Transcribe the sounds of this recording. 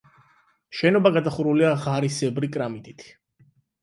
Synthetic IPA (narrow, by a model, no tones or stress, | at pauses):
ʃɛnɔbaɡad̪aχuɾuliaʁaɾisɛbɾikʼɾamit̪ʼit̪ʰ